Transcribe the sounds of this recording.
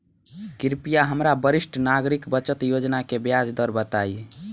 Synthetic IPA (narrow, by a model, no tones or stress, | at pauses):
kiɾpijaɦəmɾabəɾisʈʰnaɡɾikbət͡ʃət̪jod͡ʒnakebjad͡ʒd̪əɾbət̪aj